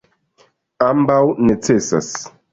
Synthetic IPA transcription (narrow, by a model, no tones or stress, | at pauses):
ambawnet͡sesa̰s